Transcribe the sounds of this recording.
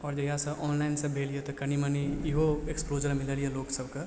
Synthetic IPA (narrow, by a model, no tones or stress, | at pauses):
ɔːɾd͡ʒojɦãsɐʔɔːnlaɪnsẽbʱeːliet̪okɐniməniiɦoeksploːd͡ʒəɾmɪləlijeloːksəbka